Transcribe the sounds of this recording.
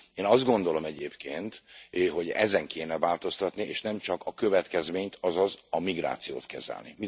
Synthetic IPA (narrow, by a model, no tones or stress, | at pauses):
eːnɒzd̪̚ɡo̞nd̪o̞lo̞mɛɟeːpkeːnt̪ɦo̞ɟɛ̰zɛŋkʰeːnɛvaːlt̪o̞st̪ɒt̪nieːʃnɛmt͡ʃɒkɒkøvɛt̪kɛzmeːɲt̪ɒzɒzɒmiɡɾa̰ːt̪sijo̰ːt̪kɛzɛ̰lnḭmi